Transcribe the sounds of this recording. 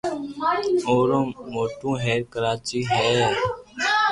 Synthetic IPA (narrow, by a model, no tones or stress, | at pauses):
oːɾõːmoːʈõːɦɛːɾkəɾaːt͡ʃiːɦɛː